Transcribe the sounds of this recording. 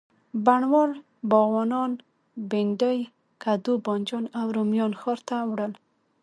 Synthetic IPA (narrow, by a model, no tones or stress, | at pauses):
baɳwɔɾ | bɔɣwɑnɑn | beɳɖəj | kad̪ubɔnd͡ʒɔnawɾomjɔnxɔɾt̪awɽəl